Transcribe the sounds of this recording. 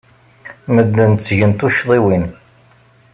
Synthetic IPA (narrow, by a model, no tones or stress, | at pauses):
məd̪ːənt̪t͡sːʝənt̪uʃðˤiwin